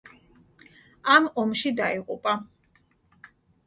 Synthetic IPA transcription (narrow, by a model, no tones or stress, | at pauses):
amɔmʃid̪aiqʼupʼa